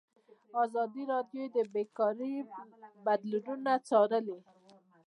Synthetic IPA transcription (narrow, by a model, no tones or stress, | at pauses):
ɑzɑd̪iɾɑd̪jod̪əbekɑɾibad̪luɖunat͡sɑɾəli